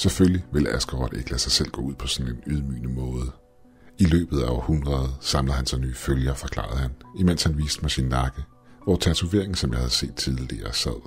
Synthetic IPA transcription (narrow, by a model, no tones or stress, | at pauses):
sefølliʋe̝læsɡ̥əʁɒd̥e̝ɡ̥læsɑ̈ɪsel̰ɡ̥ɔ̰̽ːuð̞̰ˠpʰɒ̽sɔnenyð̞ˠmy̰ːnəmɔ̽ːð̞ˠə | ilø̰ːb̥ð̞̩ˠæɒʊhunʁɐð̞ˠsɑ̈mləð̩ˠhænsɑ̈ɪnyːføljɐfɒ̽kʰlɑ̰̈ð̞̩ˠhænimen̰shænʋiːsd̥əmɑɪsinːɑ̈ɡ̥ə | ʋɒt͡sʰæt͡sʰuʋe̝̰ɐ̰e̝ŋ̩sɒmjɑ̈ɪhæðˠse̝̰ːd̥t͡sʰiðˠəliɐsæð̰ˠ